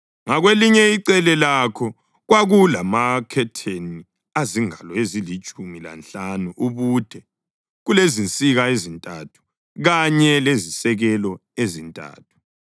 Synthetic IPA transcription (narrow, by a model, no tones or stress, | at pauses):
ŋaɣweliɲɛiǀɛlɛlakʰɔ | ɣwaɣulamakʰɛtʰeni | aziŋalɔezilit͡ʃʼumila̰nt͡ɬʼanuʔuɣud̥ʱɛ | ɣulezint͡sʼiɣaezintʼatʰu̥ | ɣaɲɛlezisɛɣɛlɔezintʼa̰ːtʰu̥